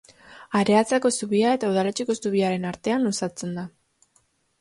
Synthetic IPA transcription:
aɾe̞at͡sako̞suβiae̞t̪auð̞alet͡ʃeko̞suβiaɾe̞naɾt̪e̞anusat͡se̞nd̪a

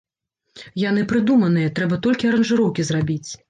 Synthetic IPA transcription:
janɨpɾɨd̪umɐn̪ɨjɐt̪ɾɛbɐt̪ɔlʲkʲiɐɾɐnʐɨɾɔwkʲizrabʲit͡sʲ

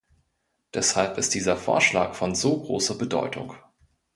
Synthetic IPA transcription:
d̥ɛshalpɪst̚d̥iːzɐfo̰ːɐʃla̰ːkfɔnzoːɡʁo̰ːsɐbədɔ̰ʏtʰʊ̰ŋ

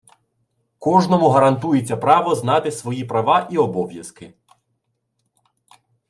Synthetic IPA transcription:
kɔʒnɔmʊɦɐɾɐnt̪ujet͡sʲːɐpɾɑʋɔznɑt̪ɪsʋɔjipɾɐʋɑʔiɔbɔʋʲjɐskɪ

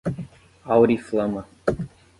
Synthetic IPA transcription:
awɾiflɐmə

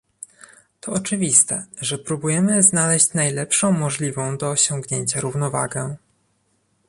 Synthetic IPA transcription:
t̪ʰɔɔt͡ʂɘvʲist̪ɛ̰ʐɛpɾubujɛmɘznalɛɕt͡ɕnajlɛpʂɔ̃w̃mɔʐlʲivɔ̃w̃d̪ɔːɕɔ̃ŋɡɲeɲt͡ɕaɾuvnɔva̰ɡɛ

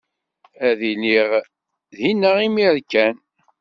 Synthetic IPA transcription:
æðiliʁ | ðinːəʁimiɾkːæn

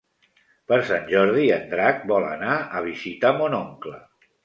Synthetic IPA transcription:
pəɾsanʲʒɔɾð̞iənd̪ɾak̚bɔlə̰naəβ̞izit̪amonɔŋklə

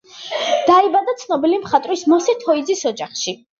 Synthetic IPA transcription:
d̪̥aibad̪at̪sʰnɔbilimχat̪ʼɾismɔsɛt̪ʰɔid̪zisɔd͡ʒaχʃi

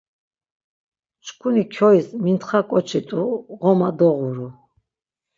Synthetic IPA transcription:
t͡ʃʰkʰunikʰɔismint̪χakʼɔt͡ʃʰit̪ʼuʁɔmad̪ɔʁuɾu

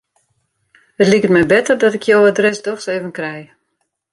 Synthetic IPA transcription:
ətlikətmɛjbɛtərdɔtɪkʰjowədrɛsdɔxseːvənkrɛj

